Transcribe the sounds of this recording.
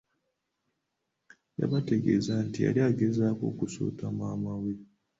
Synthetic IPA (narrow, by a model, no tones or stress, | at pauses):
ja̰βate̞ɡe̞ːzantia̰liaɡezaːko̞̰ːkusṵːtamaːmawe